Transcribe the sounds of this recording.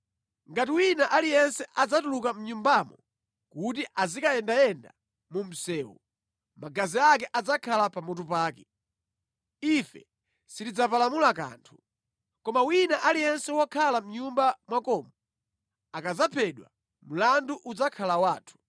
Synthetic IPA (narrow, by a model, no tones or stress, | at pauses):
ŋɡatiwinaʔalijɛnsɛʔad͡zatulukam̩ɲumbamɔ | kut̬iʔazikajɛndajɛnda̰ | mum̩sɛːwṵ | maɡaziak̬ɛʔad͡zakʰalapamɔtupaːkɛ | ifɛ̰ | sitid͡zapalamulak̬a̰ːntʰu̥ | kɔmawinaʔalijɛnsɛwɔkʰalam̩ɲumbamwakɔːmɔ | akad͡zapʰɛɗwa̰ | m̩landuʔud͡zakʰalawaːtʰu̥